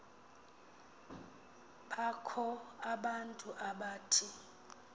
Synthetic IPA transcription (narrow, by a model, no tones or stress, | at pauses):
ɓakʰɔaɓantʼuʔaɓaːtʰi